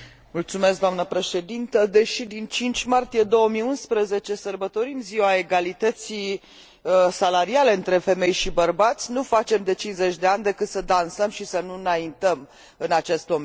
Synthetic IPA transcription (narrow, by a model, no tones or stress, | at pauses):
mult̪sumes̬kd̪oamnəpɾe̞ʃe̞d̪int̪əd̪e̞ʃid̪int͡ʃint͡ʃʲmart̪ije̞d̪o̞wəmijunspɾəze̞t͡ʃe̞sərbət̪o̞ɾimziwae̞ɡalit̪ət̪si | salaɾiale̞ɨnt̪ɾe̞fe̞me̞jʃibərbat̪sʲnufat͡ʃe̞md̪e̞t͡ʃinze̞t͡ʃʲd̪e̞anʲd̪e̞kɨt̪səd̪ansəmʃisənunaint̪əm | ɨnat͡ʃe̞st̪̚d̪om